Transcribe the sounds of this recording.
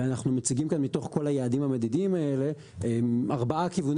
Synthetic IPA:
eanaχnumat͡siɡimkanmito̞χko̞lajaːdimhamedidiimae̞le̞ | eaʁbaʔakivun

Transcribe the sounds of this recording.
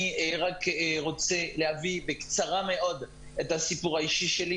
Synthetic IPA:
iʁakʁo̞t͡selehavibekt͡saʁame̞ʔo̞d̪ | ethasipuʁaiʃiʃeli

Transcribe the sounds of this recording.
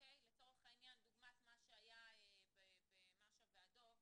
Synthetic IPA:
okejlet͡so̞ʁeχainjand̪uɡmat̪maʃeajaebebemaʃabead̪ov

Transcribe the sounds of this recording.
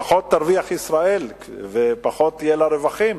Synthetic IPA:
χo̞t̪ːaɾviaχisʁae̞l | vepaχot̪ːijelaɾevaχim

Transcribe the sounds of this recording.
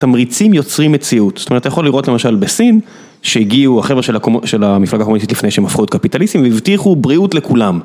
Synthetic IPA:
tamʁit͡simjo̞t͡sʁimːet͡siut̪z̥tomet̪ajaχo̞liʁo̞tle̞maʃalbesin | ʃeiɡiuaχe̞veʃelaoʃelamiflaɡakmunis̬itlifnejʃemafχuet̚kapitalist̪imveivtiχubʁiutlekulam

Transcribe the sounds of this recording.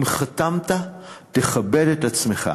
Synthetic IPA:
mχat̪amt̪at̪eχabe̞detat͡sme̞χa̰

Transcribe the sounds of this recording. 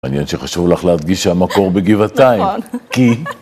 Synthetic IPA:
aːnjenʃeχaʃuvlaχlead̪ɡiʃhamako̞ʁbeɡivat̪aimki

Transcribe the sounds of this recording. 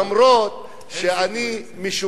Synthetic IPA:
mɾot̪ | ʃeani | miʃu

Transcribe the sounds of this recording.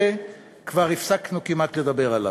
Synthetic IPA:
e | kvaʁifsaknukimat̪le̞d̪abe̞ʁala̰

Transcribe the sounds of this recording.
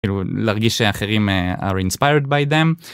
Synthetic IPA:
iːlulaaʁɡiʃeaχeʁimea̰ʁinspajʁd̪̚bajd̪em

